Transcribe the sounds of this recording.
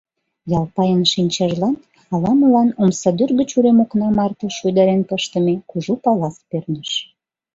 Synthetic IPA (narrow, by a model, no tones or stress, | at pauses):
jɑlpɑjənʃinʲt͡ɕɑʒlɑn | ɑlɑməlɑnomsɑd̪yrɣət͡ɕuɾemoknɑmɑrt̪ɤ̆ʃujd̪ɑɾenpəʃt̪ə̆mekuʒupɑlɑspørnəʃ